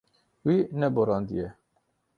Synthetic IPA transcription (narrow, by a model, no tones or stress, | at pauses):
winɛboɾɑːnd̪ḭjɛ